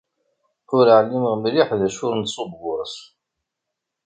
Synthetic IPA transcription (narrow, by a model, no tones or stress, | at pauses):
ʊɾəʕlːiməʁmɾiħðæʃʊɾnsˤobːʊɾˤs